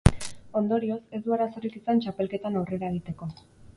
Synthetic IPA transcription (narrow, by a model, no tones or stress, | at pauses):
o̞nd̪o̞ɾio̞se̞zd̪uaɾaso̞rikisant͡ʃape̞lke̞t̪anawreɾaeɣ̞it̪e̞ko̞